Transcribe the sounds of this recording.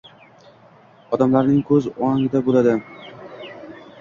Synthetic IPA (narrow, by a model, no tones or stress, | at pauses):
ɒd̪amlaɾnɪŋkʰɵzɒaŋɪd̪abolad̪ɪ